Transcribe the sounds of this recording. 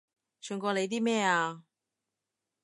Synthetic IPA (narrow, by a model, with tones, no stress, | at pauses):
t͡ʃʰœː˨˧˩ŋkɔː˧le˨˧jt̪iː˥mɛː˥˩aː˧